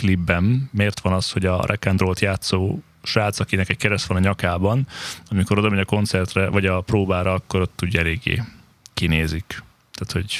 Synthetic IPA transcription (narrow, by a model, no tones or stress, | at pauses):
klibːɛmːeːrt̪ʋɒnɒsho̞ɟɒrʔɛkɛnd̪roːlt̪jaːt̪soː | ʃaːt̪sɒkinɛkɛckɛɾɛst̪ʋɒnɒɲɒkaːbɒnɒmiko̞ɾod̪ɒmɛɲɒko̞nt̪sɛrt̪rɛvɒɟɒproːbaːɾɒɒkːo̞ɾo̞t̪ːuːɟɛleːɡːḛː | kineːzik | t̪aːt̪ho̞ɟ